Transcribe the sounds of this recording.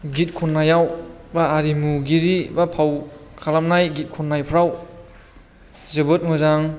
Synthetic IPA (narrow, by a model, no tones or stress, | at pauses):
ɡit̚kʰɔnːajawbaːɾimuɡiɾibapʰawkʰalamnajɡit̚kʰunːajpʰɾaw | zebɯt̚mɯzaŋ